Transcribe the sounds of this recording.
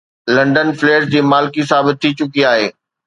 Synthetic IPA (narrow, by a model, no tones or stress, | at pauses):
lɐ̃ɳɖənfleːɾd͡ʑiːmaːlɪkisaːbɪt̪ʰːit͡ɕʊkiaːɦḛː